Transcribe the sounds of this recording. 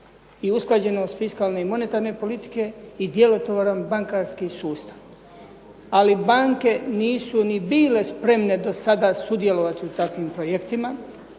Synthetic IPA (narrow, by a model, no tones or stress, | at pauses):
iusklad͡ʑe̞noːst̪fiskaːlne̞imo̞ne̞t̪aɾne̞po̞lit̪i̥ke̞id̪je̞lo̞t̪oʋoɾambaŋkaːɾskisuːst̪ḁʋ | alibaŋke̞niːsunibiːle̞spɾe̞mne̞d̪o̞sad̪aːsud̪je̞lo̞ʋat̪iut̪akʋimpɾojekt̪ima